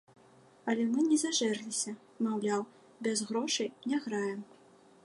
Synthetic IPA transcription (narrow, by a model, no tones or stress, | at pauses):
ɐlʲɛmɨnʲɛzaʐɛrlʲisʲɐ | mawlʲaw | bʲɛzɣɾɔʂɨjnʲaɣɾajɛm